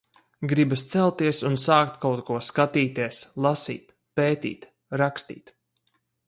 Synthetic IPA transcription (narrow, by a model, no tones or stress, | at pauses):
ɡɾibast̪sɛlˠt̪iɛsunsaːkt̪kawt̪kuɔskat̪iːt̪iɛslˠasḭːt̪ | peːt̪ḭːt̪ | ɾakst̪ḭːt̪